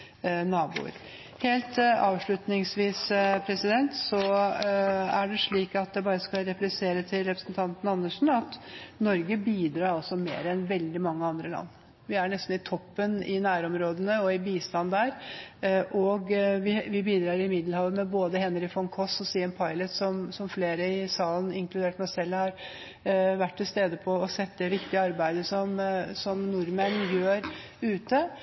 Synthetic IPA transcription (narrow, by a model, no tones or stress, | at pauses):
nɑːbṵːɾ | heːlt̪ɑ̰ːʋʂɭʉt̪nɪŋsʋiːspʰɾɛsɪd̪ɛnt̪sɔ | æɖɛʂɭiːkɑt̪̚d̪ɛbɑːɾəskɑɾɛplɪseːɾət̪ʰɪlɾɛpɾəsənt̪ʰɑnt̪ən̩əɑnːəʂɳ̩ɑt̪nɔɾɡəbiːd̪ɾɑːɾɑlsɔmḛːɾɛnʋɛld̪ɪmɑŋːəɑnd̪ɾəlɑ̰nː | ʋɪæɳɛst̪n̩ɪt̪ʰɔpːənɪ̰næːɾɔmɾoːd̪ənəɔɪbiːst̪ɑnd̪æɾ | ʔɔɡʋɪʋɪbiːd̪ɾɑːɾɪmɪd̪lhɑːʋəmɛboːd̪əɦɛnːəɾɪfɔŋkʰɔsɔsiːɛnpʰɑɪlət̪sɔmsɔmfleːɾəɪsɑːln̩ɪŋklʉd̪eːʈmɛsɛlːhɑɾ | ʋæʈːʈ̪ʰːɪlst̪eːd̪əpʰɔːsɛt̪ːəd̪ɛʋɪkt̪ɪəɑɾbæɪd̪əsɔmsɔmnʊɾmɛnjøːɾ | ʉːt̪ə